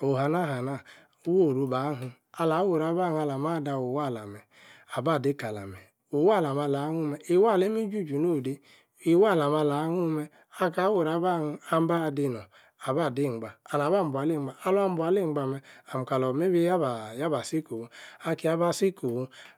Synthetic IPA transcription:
o˨ɦa˨na˦˨ɦa˨na˦˨˦ | wo˦˨ɾu˨ba˨˦ɦu˨ | a˨la˨˦wo˨ɾa˦ba˦ha˦la˨m˦a˦˨da˨o˨wa˦˨la˨mɛ˨ | a˨ba˦˨de˦ka˨la̰˨mɛ˨ | o˨wa˦˨la˨ma˨la˨˦hu˦me˨i˨wa˦˨le˦mi˦d͡ʒu˦˨d͡ʒu˨no˦˨de˦ | i˨wa˦˨la˨m˦a˦la˨˦hu˦me˦ | a˦ka˨˦wo˨ɾa˦ba˦ha˦m˦ba˦˨di˦nɔ˨ | a˨ba˦˨di˦˨ɡ͡ba˨a˨na˨ba˦˨m̩˨bʷa˨le˦˨ɡ͡ba˨a˦lu˦a˦m˦bʷa˨le˦˨ŋ͡m̩˨˦ɡ͡ba˨me˨a˨m̩˨ka˨lɔ˨me˦bi˦ja˦bja˦ba˨si˦ko˨wo˦a˦ki˨˦a˦ba˦si˦ko˨wo˦

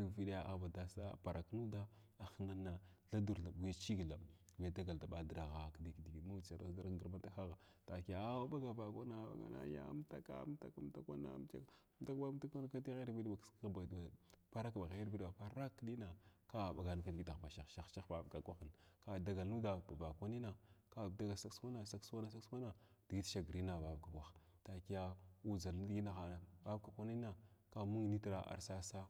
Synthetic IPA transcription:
lvi˨ɗa˦ja˦˨a̰˨ba˨da˨sa̰˦˨pa˨ɾa˨knu˦da˦ | a˨xə˦ŋa˦nːa˨ɮa˦du˨ɾa˨bu˨ja˦t͡ʃi˦ɡla˨ | va˨da˦ɡa˨lda˨ɓa˨də˨ɾa˨ɣa˨kdi˨kdi˨ɡi˨˦u˦t͡ʃa˨ɾa˦sda˦ɾɡə˨ɾma˦ta˦xa˦ɣa˨ | ta˨ki˨ja˨˦ba˦ɡa˨va˨kʷa˦na˨ba̰˨ɡa̰˨na̰˨ja̰˦m˦ta˦ka̰˦m˦ta̰˨ka˦m˦ta˦kʷa˦na̰˨˦m˦t͡ʃa̰˦m˦ta˦ka˦ta˦kʷa˦na˦ka˦ti˦ɣe˦˨vi˦di˦ba˨kska˦˨ba˨dpa˦ɾa˦kba˨ɣe˨˦ɾbi˦dba˨pa˦ɾa˦kni˦na˨ka˦˨ba˨ɡa˨n˨ka˦n˨ɡi˦ta˨ba˨ʃa˨ʃa˦xʃa˦xba˨bka˨ɡʷa˦xə˨nka˦da˦ɡa˨lnu˦da˨ba˨ba˨kʷa˦ni˦na˨ka˦˨da˦ɡa˨sa˦kskʷa˦na˨sa˦ksʷa˦na˦sa˦kswa˦na˨d̥i˨ɡi˦tʃa˦ɡɾi˦na˨ba˨bka˨a˨x | ta˨ki˦ja˦u˦za˨ldɡi˦na˨xa˨na˨ba˦bka˨kʷa˦ni˦na˨ka˦mu˦ŋ˨ni˦tɾa˨ʔa̰˨ɾsa˦sa˦

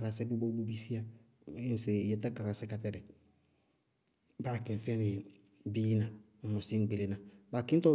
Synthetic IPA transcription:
ɾa˨sɛ˦bi˦bo˦bu˦bi˦si˦a˨˦ | n˨se˨jɛ˨ta˦ka˨ɾa˨sɛ˦ka˨tɛ˨dɛ˨ | ba˦˨kɪ˨n˨fɛ˦nɪ˨ | bi˦na˨ | mɔ˨si˦ŋ̩˨ɡ͡be˨le˨na˨ba˨kɪ̃˦n̩˦tɔ˦

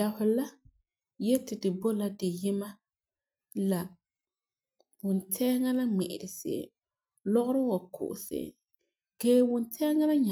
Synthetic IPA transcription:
a˨hʊ˨la˦ | jɛ˦tɪ˨dɨ˨bo˦la˦dɪ˨jɪ˦ma˦ | la˨ | wʊ˨ntʰɛ˦ŋa˦la˦ŋ͡mɛ˨ʔɪ˨dɪ˨sḛ˨ | lɔ˦ɣʊ˦ɾɨ˦wa˨kʰʊ̰˨ʊ˨sḛ˨ | keː˦wʊ˨ntʰɛ˦ŋa˦la˦ɲa˨

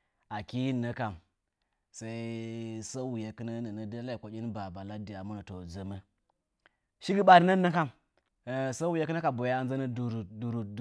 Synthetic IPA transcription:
a˨ki˦ji˦˨nːə˦ka˨m | sa˦i˦sa˦wu˨je˨kɨ˦na˦nə˨nə˦da˦la˦i˨kʷo˨kʲi˦nba˨ba˨la˦di˨a˨mu˦na˨to˨d͡zə˦mə˦ | ʃi˦ɡi˦ɓa˨ɾna˦nːa˦ka˦˨m˨ | sa˦wu˨je˦kɨ˦na˦ka˨bo˨ja˦nza˦nə˦dɾdu˨ɾu˨˦

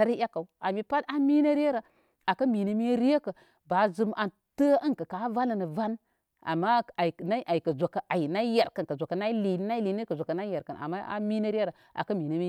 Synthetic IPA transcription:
a˦ɾi˦ja˦ka˨u˨a˨mi˨pa˦ta˦mi˦nə˦ɾe˦ɾə˨ | a˨kə˦mi˨nə˦mi˦ɾi˦je˦kə˨ | ba˨˦zɨ˦mʔa˨n | tə˦ə˦nkə˨ka˨˦va˦nə˨nə˨va˦n | a̰˨mːa˦a˨jna˦i˦ʔa˨jkə˨zo˨kə˨ʔa˨jna˦je˨ɾkə˨nkə˨zʷo˨kə˨na˦i˦li˨˦na˦i˦li˨nə˦kə˨zʷkə˨na˦je˨ɾkə˨na̰˨mːa˦a̰˦mi˦nə˦ɾe˦ɾ | a̰˨kə˦mi˨nə˦mi˦

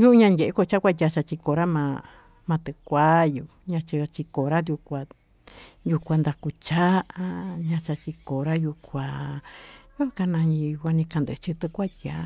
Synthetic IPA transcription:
ju˦˧˦ɲã˧nɡʲe˨ʔe˦ko˧t͡ʃa˦kʷa˦˧t̪ʲja˧˨t͡ʃa˧t͡ʃi˧ko˧ɾa˦mã˧ | mã˧t̪e˧kʷa˦ju˧ | ɲã˧t͡ʃi˧t͡ʃi˧ko˨ɾa˦d̪ju˧kʷa˧ | ju˧kʷa˧nd̪a˧ku˧t͡ʃa˦ʔa˦ɲã˧t͡ʃa˧t͡ʃi˧ko˨ɾa˦ju˧kʷa˧ | ju˦a˦ka˧nã˧ji˧˨˧kʷa˧nĩ˧kã˧nd̪ɨ˨˧t͡ʃi˧t̪e˧kʷa˦ja˧

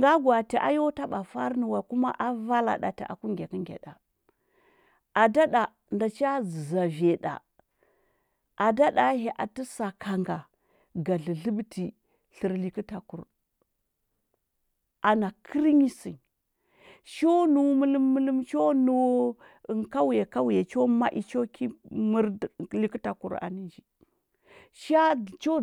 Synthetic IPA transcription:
ŋɡa˦ɡwa˨ti˨ʔa̰˨jo˦ta˦ɓa˨fa˦ɾnə˨wa˨ku˦ma˦ʔa˦va˦la̰˨ɗa̰˨ti˨ʔa̰˨ku˦ŋɡʲe˨kə˦ŋɡʲḛ˨ɗa˨ | a˨da˦ɗa˨ | nda˨t͡ʃi˦a˦d͡zza˨ve˨ɗa̰˨ | a˨da˦da˨˦ɦe˨ʔa˨tə˦sa˨kʰa˨ŋɡa˨ | ɡa˨ɮə˨ɮə˦btʰi˨ | ɬi˨ɾli˨ki˦ta˨ku˨ɾ | a˨na˨kʰə˦ɾɲi˦si˨n | ʃo˦nu˨wmu˦lu˦mːə˦lu˦mt͡ʃo˦nu˨w | nka˦wja˨ka˦wja˨t͡ʃo˦ma˦ʔḭ˨t͡ʃo˦kʰi˦mə˦ɾli˦ki˦ta˨kṵ˨ɾa̰˨ni˦nd͡ʒi˨ | ʃa˦t͡ʃo˦

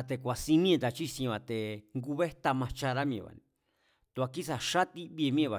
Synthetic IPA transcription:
a˧t̪e˧kʷa˨si˧nĩ˦ẽ˧d̪a˧t͡ʃi˦sĩ˧βa˨t̪e˨ŋɡu˧βe˦t̪a˧mã˧t͡ʃa˧ɾa˦mĩ˧ḛ̃˧βa̰˨nḭ̃˧ | t̪u˧a˧ki˦sa˨ʃa˦t̪i˦βi˧e˧mĩ˦ẽ˧βa˨

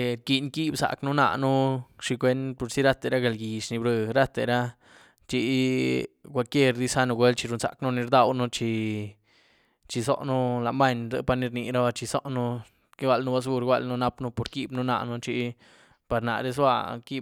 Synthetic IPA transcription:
ki˧nki˦bsa̰˨knu˦na̰˧nu˦ʂi˧kʷe˦npo˨ɾsi˦ɾa˦t̪e˨ɾa˦ɡe˨lɡi˨ʂni˧bɾɨ˧ɾa˦t̪e˨ɾa˦ | t͡ʃi˧˦ | kʷa˧˨lkje˦ɾd̪i˦sa˦nu˧ɡʷe˦lt͡ʃi˧ɾu˧nza̰˨knu˦ni˧ɾd̪a˧wnu˦t͡ʃi˧ | t͡ʃi˧so̰˦ʔnu˦la˨ma˦ɲzɨ̰˧˦pa˧ɾni˧ɾni˧ɾa˦ba˧t͡ʃi˧so̰˦ʔnu˦ | ke˦wa˧lnu˦ba˧˦s̬ɡu˧ɾɡʷa̰˧lnu˦na˦pnu˦po˨ɾki˦bnu˦na̰˧nu˦t͡ʃi˧ | pa˧ɾna̰˨ɾe˦s̬wa̰˧ki˦

